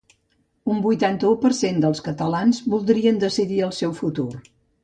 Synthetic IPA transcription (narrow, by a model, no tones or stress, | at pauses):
umbujt̪ant̪əupəɾsend̪əlˠskət̪əlanzβulˠd̪ɾiənd̪əsiðiəlˠsɛwfut̪ur